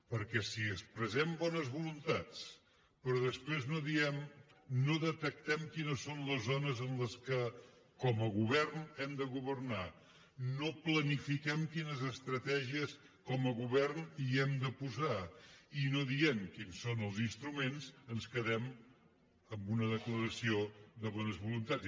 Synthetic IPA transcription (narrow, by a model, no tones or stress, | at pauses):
pəɾkɛsiəspɾəzɛmbɔnəzβulunt̪at͡s | pɾɔðəspɾeznoðiɛmnoðət̪ək̚t̪ɛmkinəsonləzonəzənləskəkɔməɣuβɛrnɛmd̪əɣuβ̞ərna | noplənifikɛmkinəzəst̪ɾət̪ɛʒiəs | kɔməɣuβɛrniɛmd̪əpuzainoðiɛmkinsːonəlˠzinst̪ɾumenzənskəðɛm | əmbunəðəkləɾəsioðəβɔnəzβulunt̪a